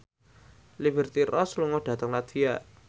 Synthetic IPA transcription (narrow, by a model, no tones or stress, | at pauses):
libərt̪irɔsluŋɔɖ̥ä̤t̪əŋlad̪̥ijaʔ